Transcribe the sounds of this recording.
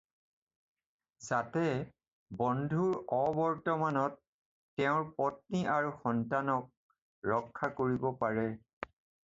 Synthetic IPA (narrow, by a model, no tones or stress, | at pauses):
zatɛ | bɔndʱuɹɔbɔɹtɔmanɔtː | ɛʊ̃ɹpɔt̚niʔaɹuxɔntanɔk̚ | ɹɔkʰːakoɹibɔpaɹɛ